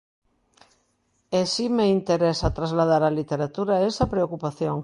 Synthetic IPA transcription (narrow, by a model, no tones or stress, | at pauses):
esimeint̪eɾesat̪ɾazlað̞aɾalit̪eɾat̪uɾaesɐpɾeokupaθjoŋ